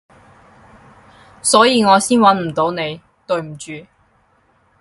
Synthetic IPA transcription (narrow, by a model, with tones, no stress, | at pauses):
sɔː˨˥jiː˨˧ŋɔː˨˧siː˥nwɐ˨˥nm̩˨˩t̪o˨˧˥wne˨˧j | t̪ɵ˨ɥm̩˨˩t͡ʃyː˨˧